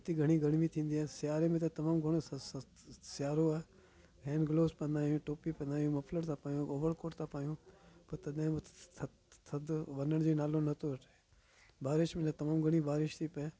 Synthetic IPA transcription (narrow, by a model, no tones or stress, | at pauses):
t̪iɡʱɐɽ̃iɡʱəɽ̃mĩt̪ʰĩːnd̪iaːsɪjaːɾemẽt̪̬at̪ɐmaːmɡʱɐɽ̃o | sɪjaːɾoaː | ɾʱɛːnɡloːspɐ̃nd̪aːjũːʈoːpipɐ̃nd̪aːjũːmɐpʰləɾt̪ʰapaːjõːoːʋəɾkoːʈt̪ʰapaːjũːpɐɾt̪ɐd̪ẽmʰ | t̪ʰɐd̪ʋɐnəɽ̃d͡ʑeːnaːlõnɐt̪oəʈa | baːɾɪʃmẽt̪at̪ɐmaːmɡʱɐɽ̃ibaːɾɪʃt̪ʰiːpɛ